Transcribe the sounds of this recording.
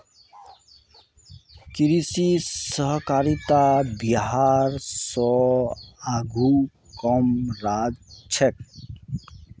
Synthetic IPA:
kiɾisisəɦkaɾit̪abiɦaɾsɔ | aɡʱu | kɔmɾad͡ʒt͡ʃʰɛk̚

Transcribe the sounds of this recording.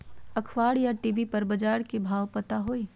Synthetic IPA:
ɐkʰʋaːɽjaʈiːʋipɐɾbɐd͡ʒaːɽkibʱaːwpət̪aɦoiː

